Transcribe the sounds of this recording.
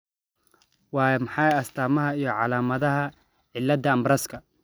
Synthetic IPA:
wɑːjmɐħɑjɐst̪ʰaːmɐɦɐijɞʕɑlaːmɐðɐɦɐ | ʕɪlːɐd̪ɐːmbɾɐskʰɐ

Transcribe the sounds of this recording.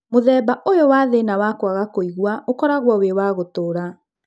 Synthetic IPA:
moðɛːbaʔojowaːðenawakwaɣakoiɣwaokɔɾaɣwɔwewaɣotoːɾa

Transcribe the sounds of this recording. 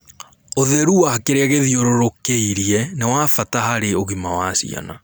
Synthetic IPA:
oðɛɾuwakeɾeaɣeðioɾoɾokeiɾiɛnewafataɦaɾeoɣimawasḭa̰na̰

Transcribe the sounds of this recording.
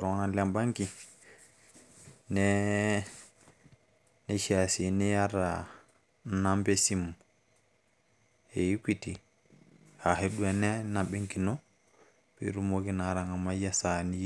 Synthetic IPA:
ɾɔnalɛmbaŋki | nɛ | nɛʃasinɛjaɾa | nambesim | eikʷiti | haɦeɗuanɛnaɓeŋkinɔ | b̥ḭɾumoɡinaɾaŋamajasani

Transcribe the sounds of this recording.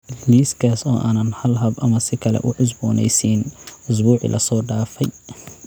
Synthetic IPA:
liːskʰaːsɔ̰ːʔaːnɐnhɐlɦɐbʔɐmɐsɪkʰɐlɛ̰ʔʊʕʊs̬bɔːnɛ̰jsinʔʊs̬buːʕḭlʔɐ̰sɔːɖaːfɛj

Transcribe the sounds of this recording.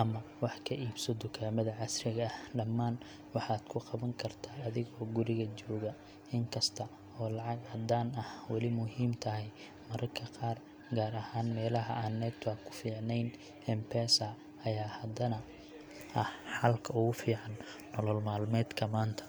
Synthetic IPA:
ʔɐmɐwɑħkʰɐʔiːbsɐd̪ʊkʰaːmɐðɐʕɑsrɪɣɐːhɖɐmːaːn | wɑħɑːd̪̥kʰʊqɑβɐŋkʰɐrt̪ʰaːɐðɪɣɔːɡʊɾɪɣɐt͡ʃɔːɣɐ | ɪŋkʰɐst̪ʰɐ | ɔːlɑʕɑɡhɐd̪aːnɐhwɑlɪmʊɦiːmt̪ʰɐɦɛj | mɐɾɐrkʰɐqɑːr | ɡaːɾɐhaːnmɛːlɐɦɐ̰ʔaːnːɛːbt̪ʰakʰʊ̥fiːʕnɛjn | hɛmpʰɛːsɐ | ɐjaːhɐd̪ɐnɐ | ʔɐhħɑlkʰɐʊɣʊfiːʕɑnː | ɔlɔlmaːlmɛːd̪kʰɐmaːnt̪ʰɐ̥

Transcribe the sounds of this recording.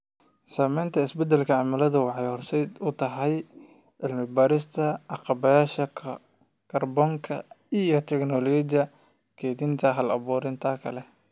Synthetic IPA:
saːmɛjnt̪ʰɐɪsbɛd̪ɛlkʰɐʕɑmɐlɐðɐwɑħɑjhɔrsɛjd̪ʊt̪ʰɐɦɛj | ʕɪlmɪbaːɾɪst̪ʰɐʕɑqɑβɐjaːʃɐ | kʰɐrbɔːŋkʰɐ̰ijɞt̪ʰɛknɔlɔd͡ʒɪjɐ | kʰɛðint̪ʰɐɦɐlɐ̰βɔːɾɪnt̪ʰaːkʰɐlɛ

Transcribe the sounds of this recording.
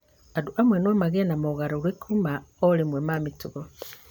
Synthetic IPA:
aduʔamwenwomaɣenamoɣaɾoɣekʰumaoɾemwemamituɣo

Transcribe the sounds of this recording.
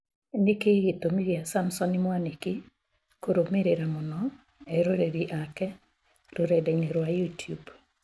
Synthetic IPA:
nɪkeɡitomiɾiasamsɔnɪmwaneki | koɾomeɾeɾamɔnɔ | ɛɾoɾeɾiʔakɛ | ɾoɾɛdɛɲeɾwajutʰjub

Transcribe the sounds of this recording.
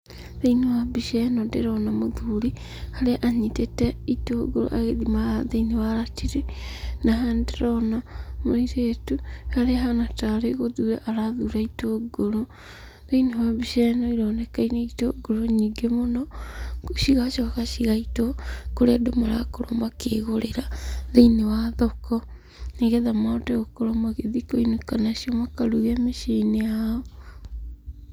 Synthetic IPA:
ðeinewabiʃɛnɔndeɾɔnamoðuɾi | haɾeʔaɲitetɛitoɡoɾo̰ʔa̰ɣeðimaaðeiniwaɾatiɾenaɦandeɾɔnamoiɾetuhaɾeɦanataɾeɣoðuːɾaʔaɾaðuɾaitoɡoɾo | ðeinewaβiʃɛnɔiɾɔnɛkaineitoɡoɾoɲiːɡemonɔ | ʃiɣaʃɔɣaʃiɣaitɔkoɾeadomaɾakoɾɔmakeɣoɾeɾaðeinewaðɔkɔ | neɣɛðamaɔtɛɣokoɾɔmaɣeðikoinekanaʃiɔmakaɾuɣɛmeʃeneaɔ

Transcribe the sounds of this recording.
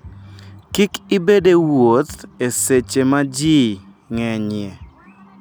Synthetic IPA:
kikɪbedewot̪eset͡ʃemad͡ʒi | ŋɛɲɪɛ

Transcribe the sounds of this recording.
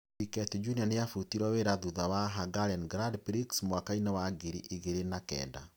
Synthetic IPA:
pikɛtd͡ʒunianeafutiɾɔweɾaðuðawaɦaɡalɛnɡɾadpɾiksmwakainawaɡiɾiʔiɣeɾenakɛ̰ːnda̰

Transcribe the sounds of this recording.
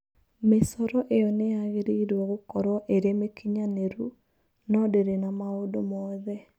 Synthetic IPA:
mesɔɾɔʔeɔneaɣeɾeiɾwɔɣokɔɾɔʔeɾemekʰiɲaneɾu | nɔdeɾenamaodomɔðɛ

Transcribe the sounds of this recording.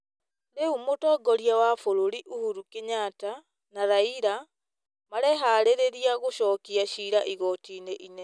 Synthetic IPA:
ɾeumotɔːɡɔɾiawafoɾoɾiʔuhuɾukeɲata | naɾaiɾa | maɾɛɦaɾeɾeɾiaɣoʃɔːkiaɕiːɾaʔiɣɔtiːneʔinɛ

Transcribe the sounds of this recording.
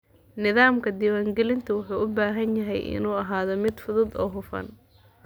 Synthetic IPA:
nɪðaːmkʰɐd̪iːwaːŋɡɛlɪnt̪ʰɐwʊħuːʔʊbaːɦɐnjɐɦɛjʔɪ̰nuːɐɦaːðɔmɪd̪fʊðʊːd̪ɔ̰ːɦʊfɐ̰n

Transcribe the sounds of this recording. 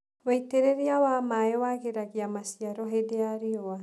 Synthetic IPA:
waiteɾeɾiawamaewaɣeɾaɣiamasiaɾɔɦedeaɾiɔa

